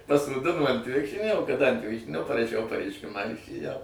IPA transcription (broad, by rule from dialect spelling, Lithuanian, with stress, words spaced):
pɐsoːˈdʲɪnoː ɐnt ˈʋʲɪkʃʲrʲɪnʲoː oː kɐˈdɐŋk ɐnt ˈʋʲɪkʃʲrʲɪnʲoː pɐrɐˈʃʲɛʊ pɐrʲɛɪʃʲˈkʲɪmɑː ɪr ɪʃʲeːˈjɛʊ